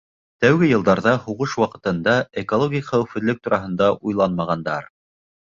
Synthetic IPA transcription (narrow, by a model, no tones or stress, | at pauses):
t̪æwɡɘjɤ̆lˠd̪ɑɾðɑhuʁɤʃwɑqɤ̆t̪ɤ̆nd̪ɑekolˠoɡʲiχæwɘfɘ̆ðlɘk̚t̪uɾɑɦɤ̆nd̪ɑʔujlˠɑnmɑʁɑnd̪ɑɾ